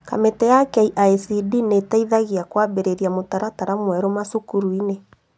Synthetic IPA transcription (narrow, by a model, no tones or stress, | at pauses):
ka̰metɛjakɛiʔaisidinetaiðaɣiakwaβeɾeɾiamotaɾataɾamwɛɾɔmasokuɾuine